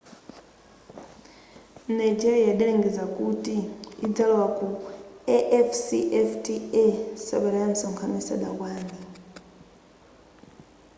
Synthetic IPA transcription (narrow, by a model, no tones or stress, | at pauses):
najd͡ʒiɾijaɗaliŋɡɛd͡zakʼutʼiid͡zalwakʼuɛʔɛfsiʔɛftʰʼiɛsa̰ɓalaanisɔŋkʰamisa̰ɗa̰k̬waːni